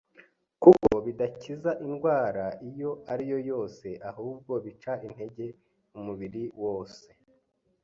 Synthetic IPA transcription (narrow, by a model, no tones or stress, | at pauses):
kukoβidacizaʔinɡwaːɾaijo̞ʔaɾijo̞jo̞ːse̞ʔahuːb̚ɡo̞βit͡ʃain̥he̞ɟe̞ | umuβiɾiwo̞ːse̞